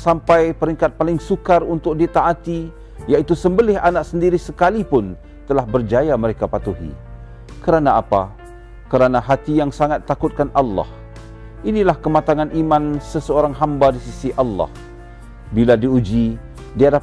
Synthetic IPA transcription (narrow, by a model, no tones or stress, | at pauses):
sampajpəɾiŋkat̪̚palɪŋsukarunt̪ʊk̚dit̪aʔːt̪i | jaʔit̪usəmbəlɪɦanaksəndiɾisəkalipʊn | t̪əlahbərd͡ʒajaməɾekapat̪uɦḭ | kəɾanaapa | kəɾanaɦat̪ijaŋsaŋat̪ːakʊt̪̚kanʔalːɑ̰h | ʔinilahkəmat̪aŋanʔimansəsəoɾaŋɦambadisisiʔalːɑ̰h | biladiud͡ʒi | diada